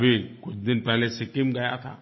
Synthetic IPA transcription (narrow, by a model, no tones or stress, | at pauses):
bʱikut͡ɕd̪inpɛɦlesikimɡəja̰t̪ʰa̰